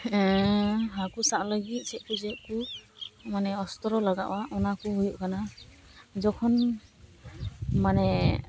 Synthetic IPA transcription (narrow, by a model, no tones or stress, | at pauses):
ɛɦakusaʔləɡit̪̚ˀsɛʔ̚kuzɛʔku | manɛɔst̪ɔɾɔlaɡaʔwaʔɔnakuɦujuʔkana | d͡ʒɔkʰɔn | manɛ